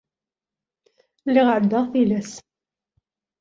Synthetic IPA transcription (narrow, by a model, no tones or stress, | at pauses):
lːɪʁʕəd̪ːaʁθilæs